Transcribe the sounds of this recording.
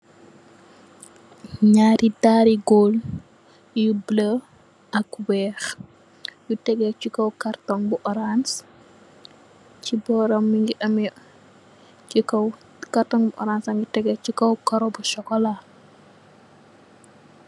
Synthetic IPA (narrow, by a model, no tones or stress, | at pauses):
ɲaːɾidaɾiɡɔl | jublə | ʔɐkwɛːx | jutɛɡɛt͡ʃukɐwkartɔŋbuʔɔɾans | cibɔɾɐmːiŋɡiʔɐmj | t͡ʃikɐw | kartɔŋbuʔɔ̰ɾansɐŋɡitɛɡɛt͡ʃikɐwkɐɾɔbuʃɔkɔla